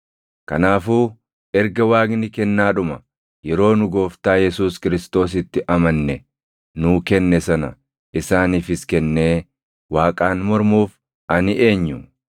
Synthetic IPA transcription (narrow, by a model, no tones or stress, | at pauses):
kɐnaːfuː | ɛɾɡɐwaːɡnɪkɛnːaːᶑʊmɐ | jɛɾo̞ːnʊɡo̞ːft̪aːjɛsuːskɪɾɪst̪o̞ːs̬ɪt̪ːɪʔɐmɐnːɛ | nuːkɛnːɛsɐnɐ̰ | ʔɪsaːniːfɪskɛnːe̞ː | waːkʼaːnmɔɾmuːf | ʔɐnɪʔe̞ːɲːʊ